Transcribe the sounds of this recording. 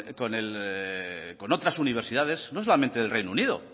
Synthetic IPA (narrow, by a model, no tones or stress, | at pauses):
konel | ko̞not̪ɾasuniβ̞eɾsiðaðe̞snos̬olamẽnt̪eðelrejnuniðo̰